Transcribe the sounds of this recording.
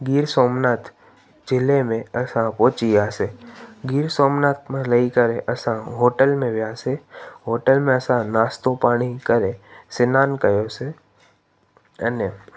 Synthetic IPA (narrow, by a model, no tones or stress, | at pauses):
ɡiːɾsoːmnaːt̪ | d͡ʒɪlemẽɐsãpoːt͡ʃiaːseɡiːɾsoːmnaːt̪mẽləikəɾeʔəsãɦoːʈəlmẽʋjaːseɦoːʈəlmẽəsãnaːst̪õpaːɽ̃ikəɾesɪnaːnkəjoːse | əne